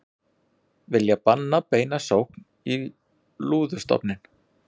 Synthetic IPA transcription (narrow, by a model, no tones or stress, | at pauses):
vɪljapanːapeːjnasowhkn | i | luːðʏ̥st̪ɔ̰pnɪn